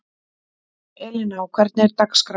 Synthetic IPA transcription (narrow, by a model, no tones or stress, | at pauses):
elenawkɛɾt̪neɾt̪akskɾ